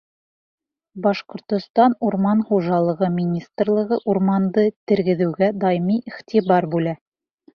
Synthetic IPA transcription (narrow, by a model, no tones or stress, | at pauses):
bɑʃqŏɾt̪ŏst̪ɑnuɾmɑnχuʒɑlˠɤ̆ʁɤmʲinʲist̪rlˠɤ̆ʁɤʔuɾmɑnd̪ɤt̪ɘ̆ɾɡɘ̆ðɘ̆wɡæd̪ɑjmiʔiχt̪ʲibɑɾbʉlæ